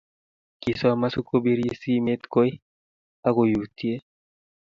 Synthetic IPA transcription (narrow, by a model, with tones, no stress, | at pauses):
ki˨sa˦ma˦su˦kʰːo˦bi˦ɾi˦si˦me˦t̪ko˦j | a˦ko˨ju˨t̪i˦e˦